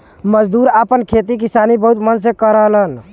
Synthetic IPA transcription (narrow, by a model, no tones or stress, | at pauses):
məd͡ʒd̪uɾapənkʰet̪ik̬isanibəɦut̪mənsẽkəɾəɦlən